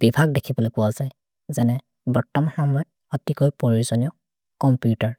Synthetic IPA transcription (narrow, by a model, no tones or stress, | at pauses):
b̥ibʱaɡ̚dekʰibɔlojpʊwazaj | zɛnɛ | bɔtːɔmhamɔj | ɔtikojpɔɹiuɹzɔniɔ | kɔmpjutaɹ